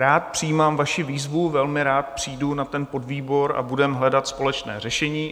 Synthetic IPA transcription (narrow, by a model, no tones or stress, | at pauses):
ɾaːt̪̚pr̝̥ijiːmaːmvaʃɪviːzvuvɛlmɪɾaːt̪̚pr̝̥iːdunat̪ɛnpo̞dviːbo̞ɾa̰budɛmɦlɛdat̪spo̞lɛt͡ʃnɛ̰ːr̝ɛʃɛɲiː